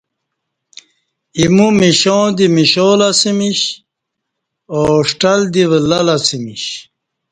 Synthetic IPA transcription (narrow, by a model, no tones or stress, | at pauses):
imumiɕõːd̪imiɕoːlasimiɕ | oʂʈɐld̪iʋəlɐlasimiɕ